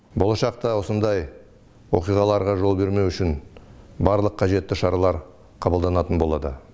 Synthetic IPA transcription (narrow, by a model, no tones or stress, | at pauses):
bo̞lˠɑʃɑqt̪ɑwo̞sənd̪ɑj | wo̞̰qijʁɑlˠɑɾʁɑʒo̞lˠbe̞ɾme̞wʏʃɪnbɑɾlˠəqʰːɑʒe̞t̪ːɪʃɑɾɑlˠɑɾ | qʰɑbəlˠd̪ɑnɑt̪ənbo̞lˠɑd̪ə̰